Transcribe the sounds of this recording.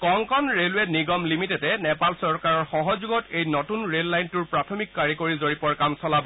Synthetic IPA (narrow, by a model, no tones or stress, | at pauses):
kɔŋkɔnɹelwɛniɡɔmlimitɛtɛnɛpalsɔɹkaɹɔɹxɔɦɔzuɡɔtejnɔtunɹelːajntʊɹpɹatʰɔmikːaɹikoɹizoɹipɔɹkamsɔlabɔ